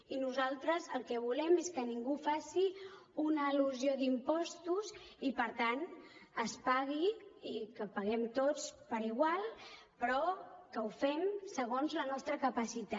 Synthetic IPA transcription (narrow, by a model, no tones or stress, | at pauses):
inuzalˠt̪ɾəzəlˠkɛβulɛmeskəniŋɡufasiunəiluziod̪impɔst̪uzipəɾt̪anəspaɣiikəpəɣɛmt̪ot͡spəɾiɣ̞walˠ | pɾɔkəufɛmsəɣ̞onzlənɔst̪ɾəkəpəsit̪a